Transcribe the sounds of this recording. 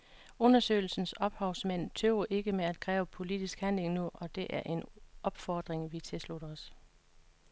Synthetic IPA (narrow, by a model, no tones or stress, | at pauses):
ɔ̽nɐsø̰ɪl̩sn̩sɒ̽b̥hɑ̈ʊ̰smæn̰t͡sʰøʊɐʔe̝ɡ̥əmeæd̥̚kʰʁɛ̰ːʊəpʰo̝lid̥isɡ̥hænle̝ŋnuʔɒ̽d̥e̝ʔæɐʔe̝nʔɒ̽b̥fɒːd̥ʁeŋʋit͡sʰe̝lslud̥ɒs